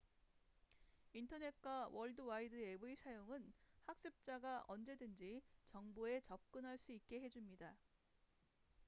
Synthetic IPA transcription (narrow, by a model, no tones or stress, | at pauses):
intʰʌne̞t̚k͈awʌɭdɯwaidɯe̞buisʰajoŋɯnhak̚ɕ͈ɯp̚t͡ɕ͈aɡaʔʌnd͡ʑe̞dɯnd͡ʑit͡ɕʌŋboe̞t͡ɕʌp̚k͈ɯnɦaɭs͈uik̚k͈e̞ɦe̞d͡ʑumɲida